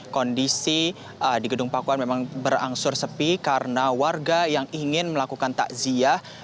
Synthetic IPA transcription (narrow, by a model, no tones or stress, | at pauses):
kɔndisi | diɡədʊŋpakuanmemaŋbəɾa̰ŋsʊrsəpikaɾənawarɡajaŋiŋɪnməlakukant̪a̰ʔziah